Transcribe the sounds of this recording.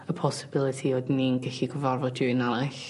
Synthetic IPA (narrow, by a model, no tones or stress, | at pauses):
əpʰɔsɪbɪlˠɨtʰiodninɡɛɬiɡəvarvɔddʊɪnanaɬ